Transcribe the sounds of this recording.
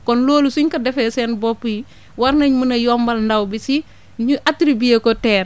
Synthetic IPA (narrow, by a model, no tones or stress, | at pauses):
kɔnloːlusuɲkɐdɛfɛːsɛːnbɔpːuji | wɐɾnɐɲmunɐjɔːmbɐlndɐwbisi | ɲuʔatɾibiekɔtɛːr